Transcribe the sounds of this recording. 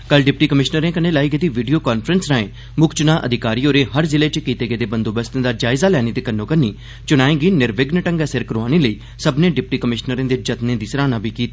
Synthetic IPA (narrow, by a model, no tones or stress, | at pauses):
kəlɖɪp̚ʈiːkəmɪʃnəɾẽːkənẽːlaːiːɡed̪iːʋiːɖijoːkaːnpʰɾənsnaːẽː | mʊkt͡ʃʊnãːʔəd̪ʱɪkaːɾiːoːɾeːɦəɾzɪleːt͡ʃkiːt̪eːɡeːd̪eːbənd̪oːbəst̪ẽːd̪aːd͡ʒaːɪzaːlɛːneːt̪eːkənːõːkəɾniː | t͡ʃʊɽ̃aːẽːɡiːnɪɾʋɪɡnəʈə̃ŋɡaːsɪɾkəɾoaːneːləiː | səbnẽːɖɪp̚ʈiːkəmɪʃnəɾẽːd̪eːd͡ʒət̪nẽːd̪iːsɾaːnãːbʱiːkiːt̪a